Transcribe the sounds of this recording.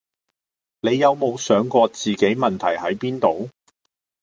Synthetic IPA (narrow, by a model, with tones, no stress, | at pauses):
ne˨˧jːɐ˨˧wmo˨˧wsœː˨˥ŋkɔː˧t͡siː˨ke˨˥jmɐ˨nt̪ʰɐ˨˩jhɐ˨˥jpiː˥nt̪o˨˧w